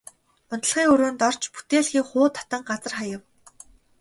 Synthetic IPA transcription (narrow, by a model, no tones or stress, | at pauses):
ʊnt̪̆ɮχiːŋɵɾoːnt̪ɔr̥t͡ɕpu̥t̪eːɮxiːkχʊːt̪ʰːḁt̪ə̆ŋɢat͡sə̆rχajə̆w